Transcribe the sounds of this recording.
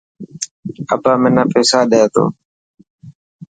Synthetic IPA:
əpãːmɪnãːpeːsaːɗeaːt̪o̰ː

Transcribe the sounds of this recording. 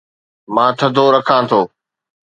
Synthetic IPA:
mãːt̪ʰəd̪ʱoːɾəkʰãːt̪ʰoː

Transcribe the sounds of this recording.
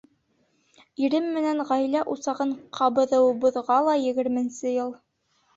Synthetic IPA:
iɾɘmːɘ̆næŋʁæjlæʔusɑʁɤɴqʰɑbɤ̆ðɤwbŭðʁɑlˠɑjɘ̆ɡɘ̆ɾmɘ̆nsɘjɤlˠ

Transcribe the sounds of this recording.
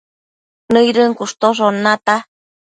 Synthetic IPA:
nɨjɾɨŋkuʂt̪oʐonat̪a

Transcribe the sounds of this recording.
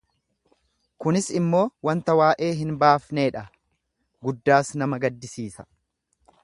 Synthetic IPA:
kʊnɪsɪmːo̞ːwɐnt̪ɐwaːʔe̞ːɦɪnbaːfne̞ːᶑɐ | ɡʊd̪ːaːsnɐmɐɡɐd̪ːɪsiːsɐ̥

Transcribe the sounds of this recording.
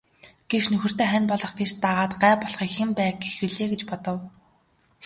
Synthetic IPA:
ɡ̥eʃnɵxɵ̆r̥t̪ʰeːχænpɔɮɞ̆χɡet͡ɕt̪aʁaːt̪ɢæːpɔɮχiːkxempæːɡexwɘɮeːɡet͡ɕpɔt̪ɞ̆w

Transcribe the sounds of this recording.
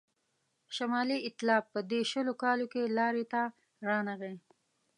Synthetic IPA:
ʃamɑliɪt̪lɑːpːəd̪eʃəlokɑlokelɑɾet̪a | ɾɑnaɣe

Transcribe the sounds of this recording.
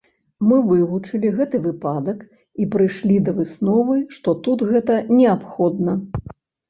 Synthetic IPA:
mɨvɨvut͡ʂɨlʲiɣɛt̪ɨvɨpad̪ɐk | ipɾɨjʂlʲid̪ɐvɨsnɔvɨʂt̪ɔt̪ut̪ɣɛt̪ɐnʲɛapxɔd̪nɐ

